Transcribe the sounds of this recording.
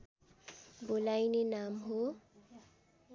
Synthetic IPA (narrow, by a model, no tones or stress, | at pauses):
bolajnenamɦo